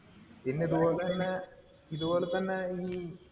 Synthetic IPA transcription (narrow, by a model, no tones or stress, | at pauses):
inːiðubo̞ːlet̪ɐnːe | iðuboːlet̪ɐnːeiː